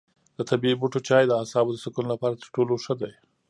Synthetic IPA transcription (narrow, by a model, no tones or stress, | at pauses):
d̪̥ət̪abibuʈot͡ʃɑjd̪əasɑbod̪əsɪkunlapɑɾat̪əɾʈoloʂəd̪aj